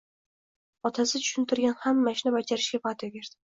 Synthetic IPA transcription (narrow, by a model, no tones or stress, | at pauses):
ɒt̪ʰasɪt̪ʰʊ̥ʃʊnt̪ʰɪɾɡʲanhamːaʃnɪbad͡ʒaɾɪʃɡʲapat̪joɡʲeɾd̪ɪ